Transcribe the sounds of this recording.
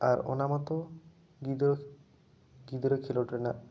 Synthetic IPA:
aɾo̰namɔt̪o | ɡid̪o | ɡid̪ɾokʰiloʈɾena

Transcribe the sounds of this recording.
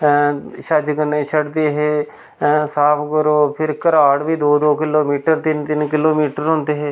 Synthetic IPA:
ʃəd͡ʒkənẽːt͡ʃʰəɽd̪eːɦeː | saːpʰɡəɾoːpʰɪɾkəɾaːɽʋiːd̪oːd̪oːkɪloːmiːʈəɾt̪ɪnt̪ɪnkɪloːmiːʈəɾɦʊ̃ːnd̪eːɦeː

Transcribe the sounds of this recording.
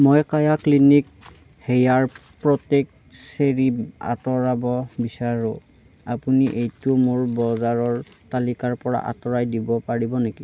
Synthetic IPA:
mojkajaklinik̚ | hejaɹpɹɔtek̚ | seɹia̰tɔɹabɔbisaɹʊ | apuniʔejtʊmoɹbɔzaɹɔɹ | talikaɹpɔɹa̰ʔa̰tɔɹajdibɔpaɹibɔneki

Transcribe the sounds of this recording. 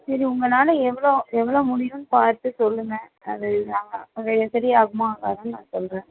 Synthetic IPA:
sɐɾiʊŋɡɐnaːlɐɛʋːɐɭoɛʋːɐɭoːmʊɽɪjʊnpaːɾt̪ɯsɔlːɯŋɛ̃ | ɐðɯnaːŋɡɐɐpːɐɡeɐsɐɾɪaːɣɯmãːka̰ːɾɐnãːsɔlɾẽː

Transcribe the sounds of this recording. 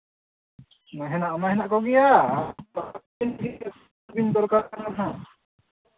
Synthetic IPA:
maɦɛnaʔɔmaɦɛnaʔkɔɡɛja | a | inɦiɛ | bind̪ɔɾkaɾkankaɦa

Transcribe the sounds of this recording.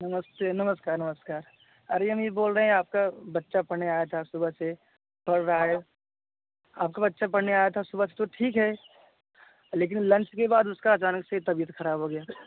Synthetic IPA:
nɐməst̪eːnɐməskaːɾnɐməskaːɾ | ɐɾeɦɐmjeboːlɾɐɦɛ̃aːp̚kabɐtːʃapɐɽneaːjat̪ʰasʊbʱəse | pɐɽɾɐɦaɦɛ | aːp̚kabɐtːʃapɐɽ̤neaːjat̪ʰasʊbəse̥t̪oʈʰiːkɦɛ | leːk̬ɪnlɐ̃nt͡ʃkebaːd̪ʊskaːt͡ʃaːnəkset̪ɐbijət̪xɐɾaːbʱɦoɡɐjaː

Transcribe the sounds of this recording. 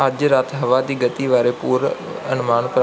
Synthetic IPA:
əd͡ʒɾaːt̪ʰɦɐʋad̪iːɡət̪iːʋaːɾepuːɾ | ɐ̰nmaːɳpɾ

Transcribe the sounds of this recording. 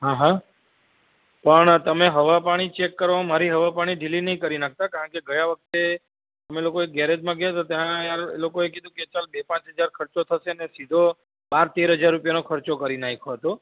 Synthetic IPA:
ɦãɦã | pəɳt̪əmeɦəʋapaɽ̃it͡ʃekːəɾʋomaɾiɦəʋapaɽ̃iɖʱilinəɦĩkəɾinak̚t̪akaɾə̃ɳkeɡəjãʋək̚ʰt̪e | t̪əmelokoek̚ɡɛɾed͡ʒmãɡejt̪ot̪jãjaɾelokoek̬id̪ʱũket͡ʃalbepãt͡ʃɦəd͡ʒaɾkʰəɾt͡ʃot̪ʰəʃenesid̪ʱo | baɾt̪eɾɦəd͡ʒaɾːupjanokʰəɾt͡ʃokəɾinaikʰot̪o

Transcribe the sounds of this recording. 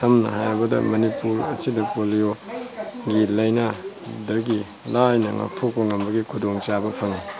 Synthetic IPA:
tʰɐmnɐ̰ɦajɾbɐdɐ̰mɐnipuɾɐ̰t͡ʃidɐpolio | ɡilɐjnadɐɡi | lajnɐ̰ŋa̰k̚tʰok̚pɐŋɐmbɐɡikʰudoŋt͡ʃabɐpʰɐŋi

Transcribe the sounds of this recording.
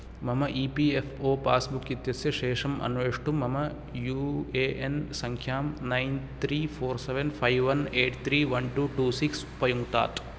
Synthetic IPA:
mɐmɐʔiːpiːepʰoːpaːsbukːit̪jɐsjɐʃɛːʂɐmɐ̰nʋeːʂʈumɐmɐ | juːeːʔensɐŋkʰjaːmnɐjnt̪ʰɾiːpʰoːɾseʋenpʰɐjʋʋɐneːʈt̪ʰɾiːʋɐnʈuːʈuːsiks | pɐjuŋɡt̪a̰ːt̪

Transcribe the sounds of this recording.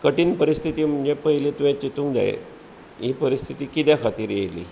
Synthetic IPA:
kəʈiːnpəɾist̪ʰit̪iːm̤əɳd͡ʑepəɦilet̪uʋjẽt͡ɕit̪uŋd͡za̰ḛ | ɦipəɾist̪ʰit̪iːkit̪jakʰat̪iːɾjejlḭː

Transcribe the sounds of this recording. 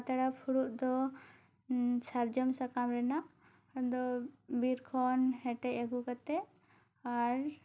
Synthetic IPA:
t̪aɽapʰuɽuʔd̪ɔ | saɾd͡ʒɔmsakamɾɛna | d̪ɔbiɾkʰɔnhɛʈɛʔaɡukat̪ɛ | aɾ

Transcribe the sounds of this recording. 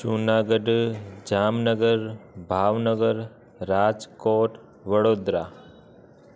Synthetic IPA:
ʃunaːɡəɖd͡ʒaːmnəɡəɾbʱaːʋnəɡəɾː | aːd͡ʒkoːʈ | ʋəɽoːd̪ɾa

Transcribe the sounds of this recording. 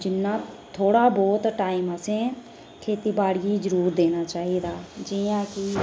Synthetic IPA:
d͡ʒɪnːãː | t̪ʰoːɽaːbɔːt̪ʈaːiməsẽː | kʰeːt̪iːbaːɽiːzəɾuːɾd̪eːnaːt͡ʃaːɦiːd̪aːd͡ʒiːãːkɪ

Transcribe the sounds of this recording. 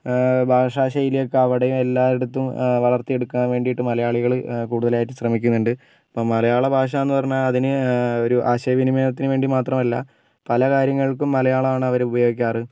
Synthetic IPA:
bʱaːʂaːɕɐjilejokːeɐʋiɽejume̞lːaːeɽut̪ːumʋɐɭɐrt̪ːije̞ɽukːuaːnʋeːɳɖijiʈːɨmɐlɐjaːɭiɣɐɭkuːɽuðɐlaːjiʈːɨɕrɐmikʲːunːuɳɖɨ | pːoːmːɐlɐjaːɭɐbʱaːʂ̬ɐenːɨpɐrɐɲːaːlɐðinɨo̞ɾuʔaːɕɐɐʋinimeːnɐt̪ːinɨʋe̞ːɳɖimaːt̪rɐmɐlːɐ | pɐlɐkaːɾjɐŋːɐɭkumːɐlɐjaːɭɐaːɳɨɐʋɐɾeubɐjoːɡikʲːaːrɨ

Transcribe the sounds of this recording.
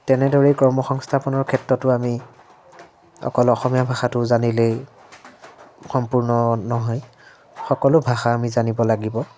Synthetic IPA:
tɛnɛdɔɹɛkɔɹmɔxɔŋstʰapɔnɔɹkʰɛtɹɔtʊami | ɔ̰kɔlɔxɔmijabʱaxatʊzanile | xɔmpuɹnɔnɔɦɔj | xɔkɔlʊbʱaxaːmizanibɔlaɡibɔ

